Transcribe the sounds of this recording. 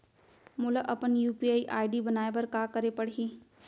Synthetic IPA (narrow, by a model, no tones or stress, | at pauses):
mʊlaʔɐpənjuːpiaːiʔaːɪɖibənaːebəɾkaːkəɾepəɽɦiː